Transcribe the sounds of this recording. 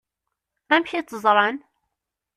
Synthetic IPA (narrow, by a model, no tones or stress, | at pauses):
æmçit͡sːəzˤɾˤɑn